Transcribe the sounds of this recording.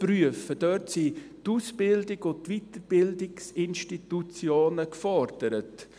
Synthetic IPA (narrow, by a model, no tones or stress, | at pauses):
pryəfəd̥œtsituːsbɪldɪɡotʋitəɾbɪldɪksɪnʃtitut͡sjoːnəkfɔɾd̥əɾət